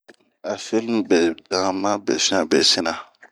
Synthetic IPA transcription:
a˨fi˦lm˦bɛ˨dã˨mã˦bɛ̰˨sɪ˦na˨bɛ˨sɪ˦na˨

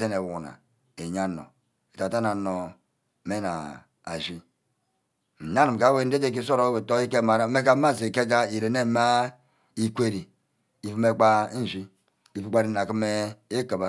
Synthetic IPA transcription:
e˦ne˨wu˨na̰˨ | e˨ɲa˦no̰˨ | e˨ta˨ta˦na˨no˨ | me˦na̰˨ | a̰˨ʒi˦ | n̩˨na˦ni˨m˨ka˨˦we˦n̩˦de˦d͡ʒe˦k̬i˦so˦ɾo˦we˨to˦i˦ke˦˨ma˨ɾa˦me˦ka˦ma˦˨ze˨ke˦d͡ʒa˦i˨ɾe˨ne˦ma˦ | i˦kʷe˦ɾi˨ | i˨fu˦me˦k͡pa˦˨ʒi˦ | i˨fu˦k͡pa˦ɾi˦˨na˨ki˦me˦e˦ka˨ba˦

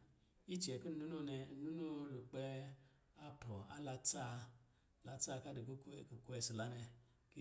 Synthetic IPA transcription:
i˦t͡ʃi˨ɛ˨ku˦n˦˨u˦nu˦nɛ˧˨nu˦nu˦lu˨k͡pɛ˧ | a˧pɔ˨a̰˦la˧ta˦˧˨ | la˧ta˦˧ka˦de˨ko˦˨ko˨ku˧˦ɛ˧si˨la˨˦nɛ˧ | ki˦

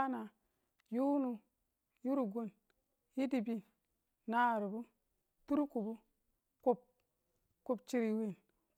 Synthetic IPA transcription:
na˨ | ju˦nu˨ | ju˦ɾu˨ɡu˦˨n | ji˦di˨bi˨ | na˦˨ɾu˨bu˦ | tu˦ɾu˦ku˨bu˦ | ku˦p̚ | ku˨p̚t͡ʃi˨ɾi˨wi˨n

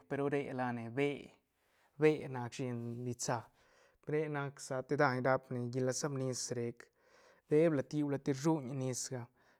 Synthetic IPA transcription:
pe˧ɾo˦ɾe˧la˧ne˨be˧ | be˦na˧kʃe˧nli˧t͡sa˧ | bɾe˦na˧ksa˧t̪e˧d̪a˧ɲɾa˧pne˨ɡi˧la˧sa˦bni˧sɾe˨˦k | d̪e˦bla˧t̪i˧bla˧t̪i˧ɾʐu˦ɲ˧ni˧sɡa˧

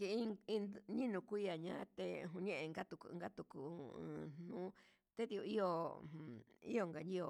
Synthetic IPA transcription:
ki˧i˦˧ĩ˧nɲĩ˦nũ˧kʷi˦ja˨ɲã̰˦˧˦t̪e˧ɦũ˧ɲẽ˦ʔẽ˧ŋɡa˦t̪u˧kŋɡa˦t̪u˧ku˨˧ɨ̰̃˨˧n̥nũ˦ | t̪e˦t̪i˧u˧i˦jõ˧˨ | ḭ˦o˧ŋɡa˧nĩ˦o˧˨

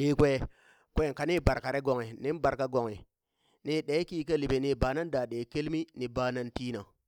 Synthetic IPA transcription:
ɗe˨˦kʷe˦ | kʷe˦˨ka˨ni˦˨ba˨ɾka˨ɾe˦ɡo˨ŋe˨ni˦nba˨ɾka˦ɡo˨ŋe˨ | ni˦ɗe˨˦ki˦ka˦li˨be˨ni˨ba˨na˦ndaː˨ɗe˨ke˦lmi˦ni˨baː˨˦na˦nti˦na˨

